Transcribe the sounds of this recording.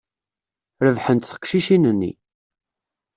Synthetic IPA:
ɾəvħənt̪θə̥kʃiʃinənːḭ

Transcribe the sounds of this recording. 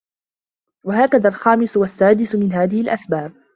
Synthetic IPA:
waɦaːkaðaːlxaːmɪswasːaːd̪ɪsmɪnɦaːðɪhɪlʔasbaːb̚

